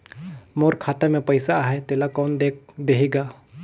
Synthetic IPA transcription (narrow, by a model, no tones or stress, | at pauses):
moːɾkʰaːt̪emẽpəɪsaɦet̪eːlakɔːnd̪ed̪eɦiɡaː